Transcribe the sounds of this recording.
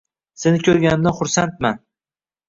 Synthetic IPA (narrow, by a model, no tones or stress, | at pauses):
senɪkʲʰɵɾɡʲanɪmd̪aχʊɾsant̪̚man